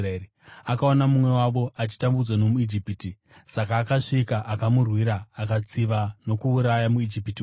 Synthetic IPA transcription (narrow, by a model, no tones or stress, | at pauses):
ri | akao̞namumwe̞waʋo̞ʔat͡ʃi̥tambud͡zwano̞muid͡ʒipiti | sakaːkaʂikaʔakamurwiɾaːkat͡siʋano̞kuːɾajamuid͡ʒipiti